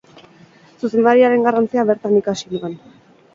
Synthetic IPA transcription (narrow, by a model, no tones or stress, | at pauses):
suse̞nd̪aɾiaɾe̞ŋɡarant͡siaβe̞ɾt̪anikasinuen